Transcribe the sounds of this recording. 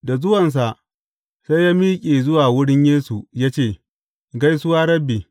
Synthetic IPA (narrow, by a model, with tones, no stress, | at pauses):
da˨zʊ˦wɐ˨ns̬a˨ʔ | sa˦jaː˦miː˦kʲʼeː˨zʊ˦waː˨wʊ˦ɽɪ˦ɲjeː˦su˨ja˦t͡ʃeː˦˨ | ɡa˦jsʊ˦waː˦ɾɐ˦bi˨